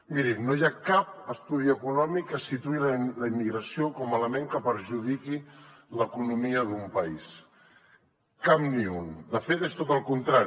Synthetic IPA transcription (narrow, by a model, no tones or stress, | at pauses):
miɾimnojakap̚əst̪uð̞iəkunɔmikːəsit̪uilələimːiɣɾəsiokɔmələmeŋkəpəɾʒuðikiləkunumiəðumpəis | kamniund̪əfet̪est̪ot̪əlˠkunt̪ɾaɾ